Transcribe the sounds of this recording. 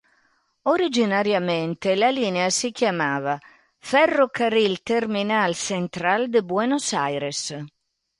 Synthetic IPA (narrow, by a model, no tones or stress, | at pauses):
oɾid͡ʒinaɾjament̪elaliːneasik̟jamaːva | fɛrːokaɾilt̪erminalsent̪ɾald̪ebwɛnosajɾes